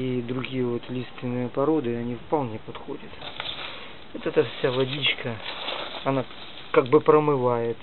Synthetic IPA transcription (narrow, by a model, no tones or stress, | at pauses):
id̪ɾʊɡʲijəvot̪lʲitst̪vʲɪnːɨjəpɐɾo̞d̪ɨɐnʲifpɐlˠnʲepɐt̪xodʲət̪ | ot̪ɛt̪əfsʲalˠɐdʲit͡ɕkə | ɐna | kaɡ̚bɨpɾəmɨvajɪt̪